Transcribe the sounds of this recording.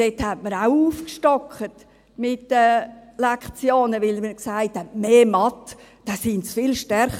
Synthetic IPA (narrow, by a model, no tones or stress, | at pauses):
d̥ethɛtməɾaʊuːfkʃtɔkχət | mɪtːəlɛkχt͡sjoːnəʋɪlməksaɪthɛtmeːmɑtd̥ɑsɪnt͡sfɪlʃtɛɾχ